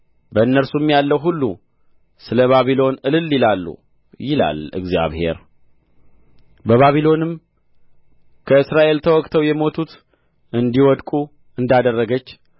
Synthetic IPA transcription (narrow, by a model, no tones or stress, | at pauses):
bəɨnːəɾsumːjalːəwɦulːu | sɨləβaβilo̞nɨlɨlːilalːṵ | jɪla̰lɨ̰ɡzija̰βhḛɾ | bəβaβilo̞nɨm | kʰəɨsɾaʔe̞lt̪ʰəwɔkʼt̪ʰəwjɛmo̞t̪ʰut̪ | ʔɨnd̪iwɔd̪kʼu | ɨnd̪ad̪ərːəɡət͡ʃː